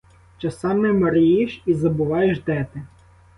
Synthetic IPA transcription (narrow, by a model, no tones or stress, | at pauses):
t͡ʃɐsɑmɛmɐɾɪjiʃizɐbʊʋɑjeʃd̪ɛt̪ɪ